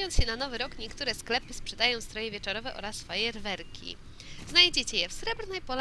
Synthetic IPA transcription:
jɔnɕɛnanɔvɘɾɔkɲɛkt̪uɾɛsklɛpɘspʂɛd̪ajɔ̃w̃st̪ɾɔjɛvʲjɛt͡ʂɔɾɔvɛʔɔ̰ɾasːfɔjɛɾvɛɾkʲʰḭ | znajd͡ʑet͡ɕɛjɛfsɾɛbɾnɛjpɔl

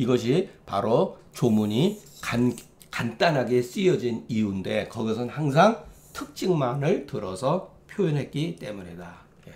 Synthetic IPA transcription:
iɡʌɕ̬ʰipa̰ɾot͡ɕomuɲika | kant͈anɦaɡe̞s͈ijʌd͡ʑinijunde̞kʌɡisʰɯnhaŋs̬ʰaŋ | tʰɯk̚t͡ɕ͈iŋmanɯɭtɯɾʌsʰʌ | pʰjojʌnɦe̞t̚k͈it͈e̞muɲida | je

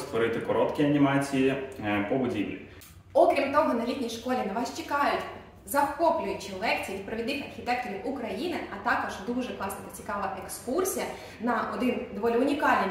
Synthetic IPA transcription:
st̪ʋɔɾɪt̪ɪkɔɾɔt̪kʲiɐnʲimɑt͡sʲijipɔbʊdʲiʋlʲḭ | ɔkɾʲimt̪ɔɦɔnɐlʲit̪ʲnʲijʃkɔlʲinɐʋɑst͡ʃɪkɑjʊtʲ | zɐwkɔplʲʊjɪt͡ʃɪlˠɛkt͡sʲijiʋʲid̪̚pɾɐʋʲɪd̪nɪxɐrxʲit̪ɛk̚t̪ɔʋʲid̪ʊkɾɐjinɪɐt̪ɑkɔʒd̪uʒɛklˠɑsnɪkɐt͡sʲi̥kɑʋɐʔekskursʲijɐ | nɐɔd̪ɪnd̪ɔʋɔlʲɪʊnʲikɑlʲnɪ

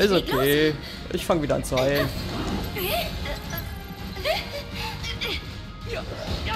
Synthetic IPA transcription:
ʔɪsokʰeː | ʔɪ̰çfaŋviːdɐa̰nt͡svaɪ

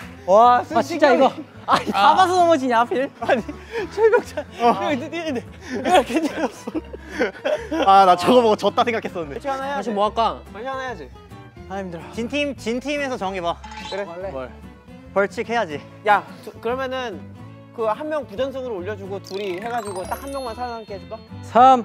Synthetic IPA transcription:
wasʰat͡ɕʰiit͡ɕ͈aiɡʌ | aiabasʰʌnʌmʌd͡ʑiɲapʰiɾaɲi | t͡ɕʰoɡok̚t͡ɕad͡ʑetiine | ɾʌkʰet͡ɕes͈ | adat͡ɕʌɡʌboɡot͡ɕʌt͈asʰeŋɡakʰe̞s͈ʌnːɯndet͡ɕʰikanaejaaimoak͈ananejad͡ʑi | aɲimidt͡ɕintʰimt͡ɕintʰimesʰʌt͡ɕʌŋibakɯɾeʌɭ | pʌɭt͡ɕʰikhe̞jad͡ʑi | jat͡ɕkɯɾʌmjʌnɯn | kɯhanmjʌŋpud͡ʑʌnsʰʌŋɯɾooʎːʌd͡ʑuɡotuɾiɦe̞ɡad͡ʑiɡot͈ak̚hanmjʌŋmansʰaɾaŋɦank͈eaik͈asʰam

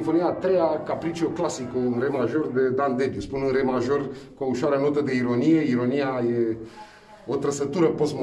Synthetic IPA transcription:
ifo̞niaːt̪ɾejakapɾit͡ʃioklasikoɨnɾemaʒo̞rd̪e̞d̪and̪ebjuspunɨnremaʒo̞rkouʃwaɾəno̞t̪əd̪e̞iɾo̞nijeiɾo̞nijaje | ot̪ɾəsət̪uɾəposm

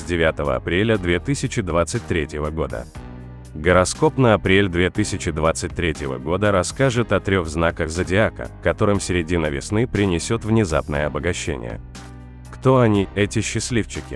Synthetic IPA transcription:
sʲdʲɪvʲat̪əvə̰ɐ̰pɾʲelʲəd̪vʲe̞t̪ɨsʲɪt͡ɕɪd̪vat̪sɨt̚ʲt̪ɾʲetʲjɪvəɡo̞d̪ə̰ | ɡəɾɐsko̞pnəɐpɾʲelʲd̪vʲe̞t̪ɨsʲɪt͡ɕɪd̪vat̪sɨt̚ʲt̪ɾʲetʲɪvə̰ɡo̞d̪əɾɐskaʐɨt̪ɐt̪ɾʲo̞ɣznakəxzədʲɪakə̰kɐt̪o̞ɾɨmfsʲɪɾʲɪdʲinəvʲɪ̰snɨpɾʲɪnʲɪsʲo̞t̪vnʲɪza̰pnəjəɐbəɡɐɕːḛnʲɪ̰jə̰ | kt̪o̞ɐnʲiɛtʲɪɕːɪsʲlʲift͡ɕɪkʲɪ

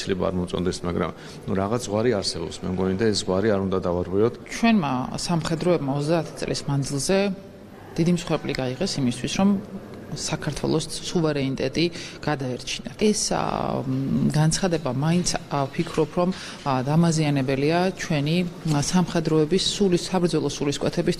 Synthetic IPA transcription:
sʰlɛbaa̰ɾmɔt̪sʼɔ̰nd̪ɛsmaɡɾa̰m | nuɾaʁat̪sʰzʁwaɾiaɾsɛbɔ̰psmɛmɡɔnid̪aɛszʁwaɾiaɾund̪ad̪avaɾʁwiɔt̪ʰt͡ʃʰwɛnma̰samχɛd̪ɾɔɛbmaɔt̪d̪aːt̪ʰi̥t̪sʼlḭsmand̪zilˠzɛ | d̪̥id̪imsχwɛɾpʼliɡaiʁɛsimist̪ʰwisɾɔm | sakʰaɾt̪ʰwɛ̰lˠɔsːuvɛɾɛnit̪ʼɛt̪ʼiɡ̥ad̪aɛɾt͡ʃʰinaɛs | ɡant̪sʰχad̪ɛbamaint̪sʰpʰikʰɾɔpʰɾɔm | d̪amazianɛbɛliat͡ʃʰwɛnisamχɛd̪ɾɔɛbisːulisabɾd̪zɔlˠɔsuliskʼwʔɛt̪ʰɛbis

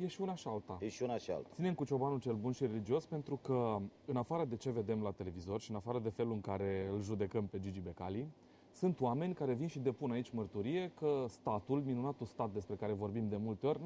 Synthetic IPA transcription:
jeʃiunaʃialt̪ajeʃiunaʃia̰lt̪sine̞mkut͡ʃo̞banut͡ʃe̞lbunʃiɾe̞lid͡ʒio̞spe̞nt̪ɾukəɨnafaɾəd̪e̞t͡ʃe̞ve̞d̪e̞mlat̪e̞le̞vizo̞rʃiɨnafaɾəd̪e̞fe̞luɨŋkaɾe̞ɨlʒud̪e̞kəmpe̞d͡ʒid͡ʒibe̞kali | sɨnt̪oame̞nʲkaɾe̞vinʃid̪e̞punait͡ʃʲmərt̪uɾije̞kəst̪at̪ulminunat̪ust̪at̪̚d̪e̞spɾe̞kaɾe̞vo̞rbimd̪e̞mult̪eo̞rʲ

